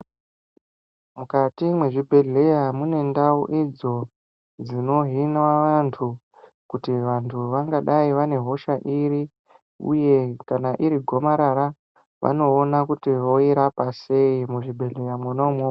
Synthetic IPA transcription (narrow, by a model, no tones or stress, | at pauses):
mukatimweʐibʱe̞ɮe̞jamune̞ndauʔid͡zo̞ | d͡zino̞ɦinwaʋantʰu | kutiʋantʰuʋaŋɡaɗaiʋane̞ɦo̞ʃaʔiɾi | ṵje̞kanaʔiɾiɡʱo̞maɾaɾa | ʋʔa̰no̞ːnakutiʋo̞iɾapase̞imuʐibʱe̞ɮe̞jamonomoa